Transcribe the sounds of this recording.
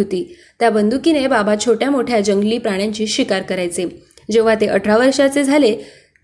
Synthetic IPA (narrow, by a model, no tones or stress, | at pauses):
ot̪iː | t̪jabənd̪ukinebabat͡ɕʰoʈjamoʈʰjad͡ʑəŋɡliːpɾaɽ̃jãɲt͡ɕiːɕʋikaɾkəɾajt͡se | d͡ʑeʋ̤at̪eʔəʈʰɾaʋəɾʂat͡sed͡zʱale